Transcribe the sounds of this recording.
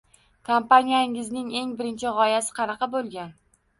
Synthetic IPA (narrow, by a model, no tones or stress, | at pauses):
kʰampanijaɪŋɪznɪŋe̞ŋbɪɾɪnt͡ʃʰɪʁɒjasɪ̥qʰɑnɑqɑbolˠɡʲan